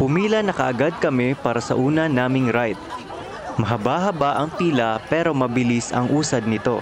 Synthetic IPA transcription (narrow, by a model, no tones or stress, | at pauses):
pʊmiːlɐnɐkɐ̰ʔɐɡad̪̚kɐmɛpaːɾɐsɐʔuːnɐnaːmɪŋɾajt̪̚ | mɐɦɐbaːɦɐbaʔɐŋpiːlɐpɛːɾo̞mɐbɪlisɐ̰ŋʔuːsɐd̪̚nɪt̪o̞